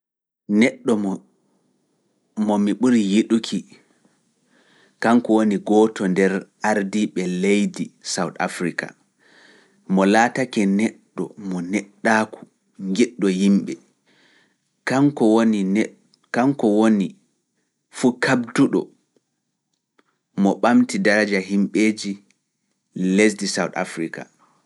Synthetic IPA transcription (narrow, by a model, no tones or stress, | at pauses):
nɛɗːɔ | mɔmiɓuɾijiɗukʰi | kaŋkɔwoniɡɔtɔndɛɾʔaɾdiɓɛlejdisawta̰fɾika̰ | mɔlaːtakɛnɛɗːɔ̰mɔnɛɗːaːku̥ | ŋɡɛɗːɔjimɓɛ | kaŋkɔwoni | kaŋkɔwoni | fuːkʰabduɗɔ̰ | mɔɓamtidaɾad͡ʒaɦimɓeːd͡ʒi | les̬disawta̰fɾika̰